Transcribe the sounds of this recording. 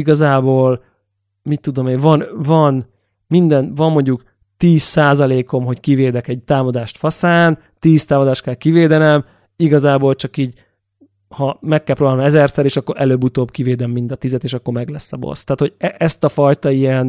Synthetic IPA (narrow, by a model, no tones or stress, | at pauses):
iɡɒzaːboːl | mit̪ːud̪o̞meːɱvɒnvɒn | mind̪ɛnvɒmːoɲɟuk | t̪iːsaːzɒleːko̞mɦo̞ckiveːd̪ɛkɛɟ̚t̪aːmɒd̪aːʃt̪fɒsaːn | t̪iːst̪aːmɒd̪aːʃt̪̚kɛlkiveːd̪ɛnɛm | iɡɒzaːboːlt͡ʃɒkiːɟ | hɒmɛkːɛlpɾoːbaːnmɛzɛrsɛɾeːʃɒkːo̞ɾʔɛløːbut̪oːbkiveːd̪ɛmːind̪ɒt̪izɛt̪eːʃɒkːo̞ɾmɛɡlɛsːɒbo̰st̪aːt̪ho̞ɟɛʔɛst̪ɒfɒjt̪ɒijɛn